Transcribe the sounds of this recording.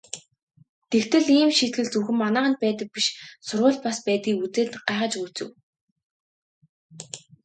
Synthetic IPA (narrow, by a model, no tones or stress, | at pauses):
t̪ekt̪ʰɘ̆ɮiːmʃit̪ɡɘ̆ɮt͡suxɘ̆mːanaːʁə̆nt̪̚pæːt̪ə̆k̚piʃsʊɾʊːɮ̚paspæːt̪ɡiːut͡seːt̪ɢaːʁə̆t͡ɕut͡sɘ̆w